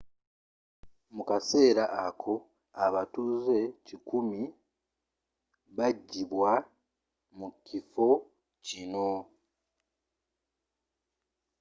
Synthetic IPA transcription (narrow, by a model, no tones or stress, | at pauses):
mukase̞ːɾaʔakʰo̞ | aβatuze̞cikumi | βaɟːiβwa | mukifo̞ | cino̞